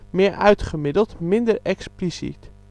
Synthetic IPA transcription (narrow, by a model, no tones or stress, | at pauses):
mɪːɹʔœ̰ɥtχəmɪdəlˠtmɪndəɹɛksplisḭt